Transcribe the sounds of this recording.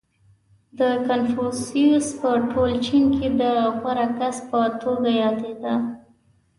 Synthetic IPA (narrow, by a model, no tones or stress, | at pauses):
d̪əkanfusiuspəʈolt͡ʃinked̪əxaɾakaspət̪oɡajɑd̪ed̪a